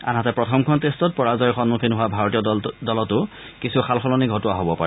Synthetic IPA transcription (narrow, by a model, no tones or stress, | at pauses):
a̰nɦatɛpɹɔtʰɔmkʰɔntestɔt̚pɔɹazɔjxɔnmukʰinɦʊwabʱaɹɔtijɔdɔlɔtʊ | kisuxʰalxʰɔlɔniɡʱɔtʊwaɦobɔpa̰ɹɛ